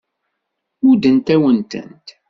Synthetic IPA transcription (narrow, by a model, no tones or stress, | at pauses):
ʊd̪ənt̪æwənt̪ə̰nt̪